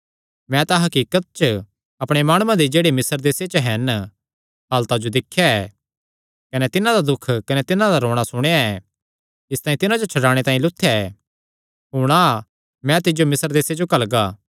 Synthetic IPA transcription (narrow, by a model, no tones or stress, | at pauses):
mɛ̃t̪aɦɐkiːkət̪̚t͡ʃə | ɐpɽ̃emaːɽ̃ʊːãd̪id͡ʒeːɽemɪsəɾd̪eːset͡ʃəɦɛn | ɦaːlt̪ad͡ʒod̪ɪkʰːjaɛː | kɐnɛt̪ɪnãd̪ad̪ʊkʰkɐnɛt̪ɪnãd̪aɾoːɽ̃asʊɽ̃ejaɛ | ɪst̪aːĩt̪ɪnãd͡ʒot͡ʃʰɐɽaːɽ̃et̪ãːĩlʊt̪ʰːejaɛː | ɦʊɽ̃a | mɛ̃t̪ɪd͡ʒomɪsəɾd̪eːsed͡ʒokɐlɡaː